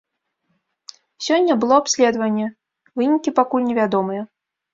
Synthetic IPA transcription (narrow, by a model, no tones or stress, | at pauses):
sʲɔnʲːɐbɨlˠɔapsʲlʲɛd̪vɐnʲːɛ | vɨnʲikʲipakulʲnʲɛvʲad̪ɔmɨjɐ